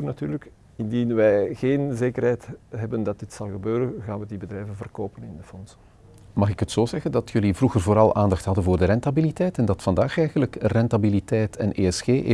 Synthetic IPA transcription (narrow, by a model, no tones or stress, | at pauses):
nɑtyːrlək | ɪndinʋɛjɣeːnzeːkərɦɛjtɦɛbəndɑt̚dɪtsɑlˠɣəbøːɾənɣaːnʋədibədrɛjvənvərkoːpənɪndəfɔnsə | mɑχɪkɦətsoːzɛɣəndɑtʰjɵlivruɣərvoːɾɑlˠʔaːndɑxtɦɑdənvʊːrdərɛntabilitɛjtɛndɑtfɑndaːxɛjɣənləkrɛntabilitɛjtʰɛ̰nʔeːɛsxeːʔ